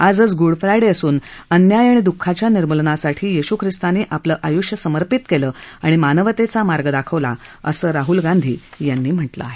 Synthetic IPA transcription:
ad͡zət͡sɡuɽfɾajɽeəsuːnənjajaɽ̃id̪ukʰːat͡ɕjaniɾməlnasaʈʰiːjiɕukʰɾist̪aneːʔapləːʔajuʂjəsəməɾpit̪keləːaɽ̃imanəʋt̪et͡samaɾɡəd̪akʰəʋla̰əsəːɾaɦulɡand̪ʱiːjanːiːm̤əʈlə̰aɦe

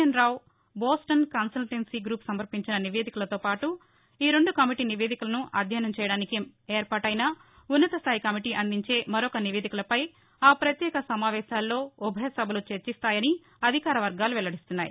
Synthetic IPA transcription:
ɐnɾaːw | boːsʈɐnkaːnsɐlʈensiɡɾuːpsɐmɐɾpiɲt͡ʃinɐniʋe̞ːd̪ikulɐt̪o̞ːpaːʈu | iːɾe̞ɳɖukɐmiʈiːniʋeːd̪ikulɐnuʔɐ̰d̪ʱjɐnɐmt͡ʃɛːjɐɽaːnikemeːɾpaːʈɐjnaː | unːɐt̪ɐst̪ʰaːjikɐmiʈiːʔɐnd̪iɲt͡ʃe̞ːmɐɾɔkɐniʋeːd̪ikulɐpɐj | aːpɾɐt̪jɛːkɐsɐmaːʋɛːʃaːlːo̞ːubʱɐjɐsɐbʱɐlut͡ʃeɾt͡ʃist̪aːjɐni | ɐd̪ʱikaːɾɐʋɐɾɡaːluʋɛlɐɽist̪unːaːjḭ

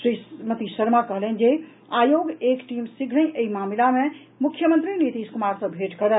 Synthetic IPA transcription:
ʃɾimət̪iːəɾmakəɦələn̆d͡ʒe | aːjoːɡeːkʈimsikʰlə̃ʔeimaːmilamẽ | mʊkʰjəmənt̪ɾinit̪iːskumaːɾsə̃bʱeʈkəɾə

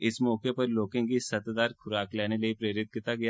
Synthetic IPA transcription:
ɪsmɔːkepɐɾloːkɪ̃ŋɡisɐt̪d̪aːɾxʰʊɾaːklɛːnelɐipɾeːɾɪt̪̚kit̪aɡɐja

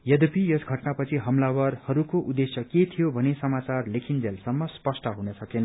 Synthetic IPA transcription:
jʌd̪upijʌsɡʱʌʈnapʌt͡sʰiɦʌmlawʌrhʌɾukoʔud̪esjʌket̪ʰijobʱʌnesʌmat͡sarlekʰind͡zelsʌmːʌspʌsʈʌɦunʌsʌkenʌ

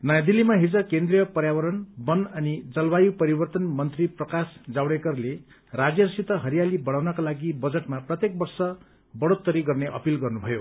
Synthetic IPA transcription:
nʌjad̪ilːimaɦid͡zʌkend̪rijʌpʌɾjawʌɾʌnbʌnʌnid͡zʌlbajupʌɾibʌrt̪ʌnmʌnt̪riprʌkasd͡zawɽekʌrle | rad͡zjʌrsit̪ʌɦʌɾijalibʌɽawnʌkalaɡibʌd͡zeʈmaprʌt̪jek̚bʌrsʌ | bʌɽot̪ːʌɾiɡʌrneʔʌ̰pilɡʌrnubʱʌjo

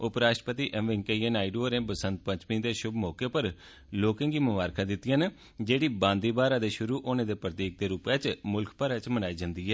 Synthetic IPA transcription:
ʊpɾaːʃʈəpət̪iːʔɛ̃mʋɪ̃ŋkəiːɛːnaːiɖoːɾẽːbəsə̃nt̪̚pə̃ɲt͡ʃmĩːd̪eːʃʊbmɔːkeːpəɾ | loːkẽːɡiːmʊʋaːɾkʰãːd̪ɪt̪ːɪjãːne | d͡ʒeːɽiːbãːnd̪iːbaːɾaːd̪eːʃʊɾuːʔonãːd̪eːpɾət̪iːk̚d̪eːɾuːpjaːt͡ʃmʊlkʰpaːɾaːt͡ʃmənaːiːd͡ʒãːnd̪iːɦɛː

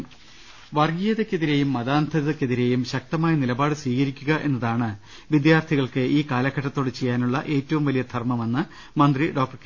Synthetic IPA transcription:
ʋɐrɡijɐðekʲːeðiɾe̞jumːɐðaːnt̪ʰɐðekʲːeðiɾe̞jumɕɐk̚t̪ɐmaːjɐnilɐbaːɽɨsiːɣɐɾikʲːuɣɐʔe̞̰nːɐðaːɳɨ | ʋid̪jaːrt̪ʰiɣɐɭkɨʔiːkaːlɐkʰːɐʈːɐt̪ːo̞ːɽɨt͡ɕe̞jːaːnuɭːɐʔe̞ːtːɐʋumʋɐlijɐd̪ʰʱɐrmɐme̞nːɨ | mɐnd̪riɖo̞ːk̚ʈɐrke

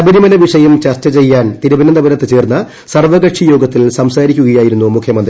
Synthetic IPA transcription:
ɐbɐɾimɐnɐʋiʂɐjɐmt͡ɕɐrt͡ɕːɐt͡ɕe̞jːaːnt̪iɾubɐnɐnd̪ɐbɐnɐt̪ːet͡ɕe̞ːrnːɐ | sɐrʋɐɣɐʈʂijo̞ːɡɐt̪ːilsɐmsaːɾikʲːuɣɐjaːjiɾunːumukʰjɐmɐnd̪ri

